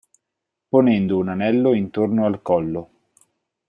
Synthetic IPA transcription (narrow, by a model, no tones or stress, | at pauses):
ponɛnd̪ounanɛlːoint̪ornoalkɔlːo